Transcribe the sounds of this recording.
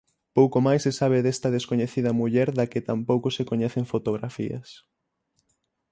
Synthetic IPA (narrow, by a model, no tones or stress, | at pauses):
powkomajsːesaβ̞eðɛst̪ɐðeskoɲeθiðɐmuʎɛɾðɐkɪt̪ampowkosekoɲɛθeŋfot̪oɣ̞ɾafḭɐ̰s